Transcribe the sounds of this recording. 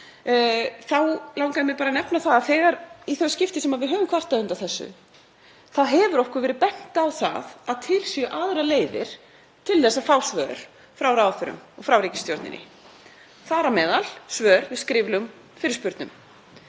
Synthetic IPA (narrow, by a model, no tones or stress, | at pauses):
θawlawkaðmɛpaːɾanɛpnaθaðaθɛːɣaɾiθœscɪft̪ɪsɛmaðvɪðɦœːvʏmkʰvar̥t̪aðʏnt̪aθɛsːʏ̰ | θaðɦɛvʏɾɔhkʏɾvɛːɾɪpɛn̥t̪aːwθa̰ðaðt̪ʰɪlsjʏʔaðɾaleːjvɪ̰ɾ̥ | t̪ʰɪlθɛsːafawsvœɾ̥ | fɾawɾaːwfʏɾʏ̰mɔɣfɾawɾiːcɪ̥st̪jɔɾt̪nɪ̰nɪ̰ | θaːɾamɛːðalsvœːɾvɪðskɾɪvlʏm | fɪɾɪɾ̥spʏɾt̪nʏm